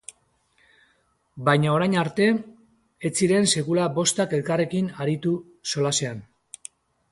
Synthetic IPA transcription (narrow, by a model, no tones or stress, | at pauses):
bajɲaoɾajɲaɾt̪e̞ | et͡siɾe̞nse̞kulabo̞st̪ake̞lkare̞kinaɾit̪u | so̞lase̞an